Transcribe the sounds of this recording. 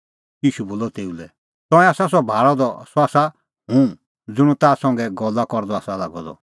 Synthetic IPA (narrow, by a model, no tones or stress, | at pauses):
jiːʃuboːlɔt̪eːulɛ | t̪ɔ̃ɛ̃aːsas̬ɔbʱaːɽɔd̪ɔsɔaːsa | ɦũ | d͡zʊɽ̃ũt̪aːsɔ̃ŋɡɛɡɔlːakɔɾd̪ɔaːsalaɡɔd̪ɔ̰